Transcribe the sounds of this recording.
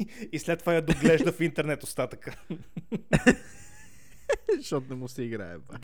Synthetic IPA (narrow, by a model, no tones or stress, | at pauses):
islɛt̪ːovajɐd̪oɡlɛʒd̪əfint̪ɛɾnɛt̪ost̪at̪əkə | ʃɔt̪nɛmusɛiɡɾa̰ɛ̰b